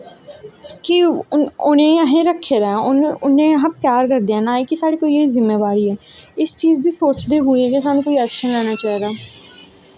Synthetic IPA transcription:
kɪʊ̰nẽːəɦẽːɾəkʰːeːɾɛ̃ːʊnʊnẽːəɦãːpjaːɾkəɾd̪eãːnaːiːkɪsaːɽeːkoːiːeiːzɪmːeːbaːɾiːɛːɪst͡ʃiːzd̪iːsoːt͡ʃd̪eːɦʊiɛːkes̬aːnũːkoːiɛːkʃənlɛːnaːt͡ʃaːɦiɡ̪aː

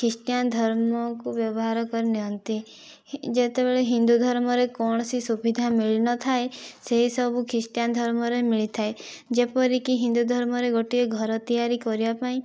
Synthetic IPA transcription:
kʰɾisʈjand̪ʱɔɾmɔkubjɔbɔɦaɾɔkɔɾiniɦɔnt̪i | d͡ʒet̪ebeɭeɦind̪ud̪ʱɔɾmɔɾekɔɳ̃sisubid̪ʱamiɭnɔt̪ʰaeseɦisɔbʱukʰɾisʈjand̪ʱɔɾmɔɾemiɭit̪ʰae | d͡ʒepɔɾikiɦind̪ud̪ʱɔɾmɔɾeɡoʈieɡʱɔɾɔt̪ijaɾikɔɾiapaĩ

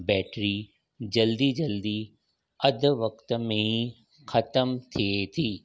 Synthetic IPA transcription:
bɛːʈɾi | d͡ʒɐld̪id͡ʒɐld̪i | ɐd̪ʋɐkt̪mẽɦĩ | xʰɐt̪əmt̪ʰiet̪ʰiː

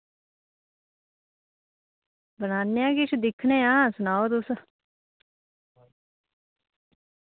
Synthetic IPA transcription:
bənaːnːejãːkɪt͡ʃʰd̪ɪkʰneːãːsʊnaːot̪ʊs

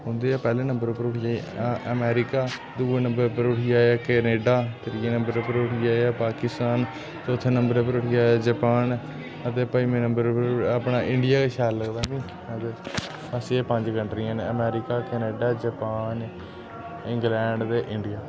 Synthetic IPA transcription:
ɦʊ̃nd̪eːaːpɛːleːnəmbəɾpəɾʊʈʰɪjaːaʔəmɛːɾɪkaːd̪uːeːnə̃mbəɾpəɾʊʈɪjaːaːkɛːneːɖaːt̪əɾienə̃mbəɾpəɾʊʈʰɪjaːeaːpaːkɪst̪aːn | t͡ʃot̪ʰːenəmbəɾepəɾʊʈʰɪjaːaːd͡ʒəpaːn | ət̪eːpəiːmẽːnəmbəɾpəɾəpɳaːʔɪ̃ɳɖɪjaːkeːʃaːlːəɡd̪aːmĩː | ət̪e | əsieːpəɲd͡ʒkəɳʈɾiːãːneəmɛːɾɪkaːkɛːneːɖaːd͡ʒəpaːn | ɪ̃ŋɡlɛːɳɖd̪eːʔɪɳɖɪjaː

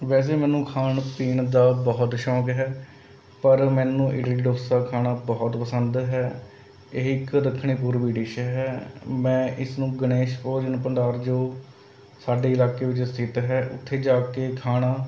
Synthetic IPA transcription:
ʋɛːs̬eːmɛ̃ːnũːkʰaːɳpiːɳd̪aːbɔːʊt̪ʃɔːkɦɛː | pəɾmɛ̃ːnũːʔɪɖliɖoːsaːkʰaːnaːbɔːt̪pəsənd̪ɦɛː | eɦɪkɾəkʰːɳ̃eːp̬uːɾʋiːɖɪːʃɦɛːmɛ̃ːʔɪsnũːɡəneːʃɔːɾd͡ʒɪnpəɳɖaːɾd͡ʒoː | saːɖeːɪlaːkeːʋɪt͡ʃst̪ʰɪt̪ɦɛːʔʊ̰t̪ʰːeːd͡ʒaːkeːkʰaːɽ̃aː

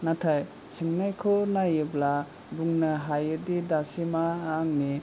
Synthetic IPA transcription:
natʰaj | siŋnajkʰɔnajɯbla | buŋnɐɦajɯdidasimaːŋni

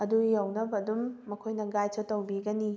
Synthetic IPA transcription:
ɐdujɐwnɐbɐdumːɐkʰojnɐɡajt͡ʃʰotɐwbiɡɐni

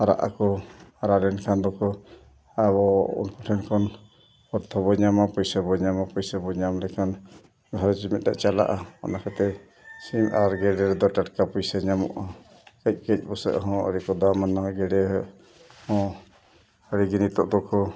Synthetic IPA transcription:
aɾa̰ʔa̰kɔaɾalɛnkʰand̪ɔkɔ | abɔṵnkɔʈʰɛnkɔn | ɔɾt̪ʰɔbɔɲamapɔjsabɔɲamapɔjsabɔɲamlɛkʰan | ɡʱaɾt͡ʃimɛt̪̚d̪aʔt͡ʃala̰ʔaɔ̰nakat̪ɛ | simʔaɾɡɛɖɛɾɛd̪ɔʈaʈkapɔjsaɲamɔ̰ʔa | kac̚ˀkɛc̚ˀbɔsə̰ʔɦɔ̃ə̰ɾikɔd̪amanaɡɛɖɛɾɛʔ | hɔ̃ | əɾiɡinit̪ɔʔd̪ɔkɔ

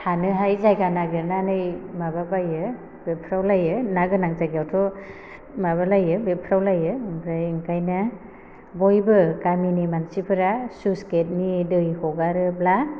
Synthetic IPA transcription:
hanɯɦajzajkanaɡeɾnanɯjmababajɯ | bepʰɾawlajɯnaɡɯnaŋzaɡjawtʰɔ | maβalajɯbepʰɾawlajɯɯmpɾajiŋkajna | bɔjbɯkaminimansipʰɯɾasusket̚nidɯjhɔɡaɾɯbla

